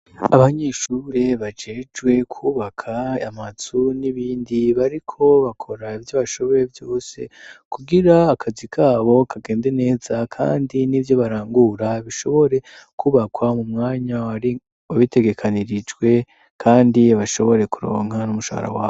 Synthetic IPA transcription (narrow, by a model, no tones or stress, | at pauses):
aβaɲe̞ːʃuːɾeβad͡ʒe̞ːd͡ʒɡwe̞kʰuːβakʰaamazuniβiːndiβaɾikʰo̞βakʰo̞ɾaivjoβaʃo̞βo̞je̞vjo̞ːse̞̰kuɡiɾaːkʰazikʰaːβo̞kaɡe̞ːnde̞ne̞ːzakʰa̰ːndinivjo̞βaɾaːŋɡuɾaβiʃo̞βo̞ɾe̞ | kʰuːβakwamumŋaːɲaaɾi | aβite̞ɡe̞kʰaniɾid͡ʒɡwe̞ | kʰaːndiβaʃo̞βo̞ɾe̞kuɾo̞̰ːŋ̥ɦanumuʃa̰ha̰ɾa̰waː